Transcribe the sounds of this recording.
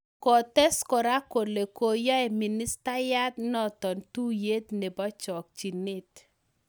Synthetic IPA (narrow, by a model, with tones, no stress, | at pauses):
kɔ˨tɛ˦skɔ˨ɾa˦ko˨le˨ko˨ja˦e˨mi˨ni˦sta˦ja˦tnɔ˦tɔ˨ntu˦je˦tne˨bɔ˦t͡ʃɔ˨k̚t͡ʃi˨nɪ˦t